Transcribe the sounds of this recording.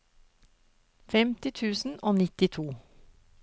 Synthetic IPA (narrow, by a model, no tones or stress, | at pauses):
fɛmt̪ɪt̪ʰʉːsn̩oːnɪt̪ɪt̪ʰuː